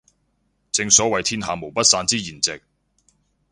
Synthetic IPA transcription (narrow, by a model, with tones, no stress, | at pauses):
t͡sɪ˧ŋsɔː˨˥wɐ˨jt̪ʰiː˥nɦaː˨˧mo˨˩wpɐ˥t̚saː˧nt͡siː˥jiː˨˩nt͡sɪ˨k̚